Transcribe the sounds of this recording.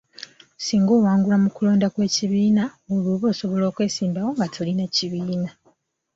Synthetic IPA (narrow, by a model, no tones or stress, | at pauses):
siːŋɡoːwaːŋɡulamukulo̞ːndakwe̞ːciβiːnaoluːβo̞ːso̞βo̞lo̞ːkwe̞ːsiːmbawo̞ŋɡatʰolinaciβiːna